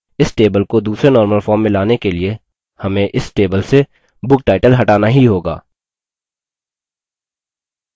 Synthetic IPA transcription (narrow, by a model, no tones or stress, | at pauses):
ɪsʈeːbəlkod̪uːsɾenɔːɾməlfɔːɾmːẽlaːnekelie | hɐmẽʔɪsʈeːbəlse | bʊkʈaːɪʈəlɦɐʈaːnaɦiɦoːɡa̰ː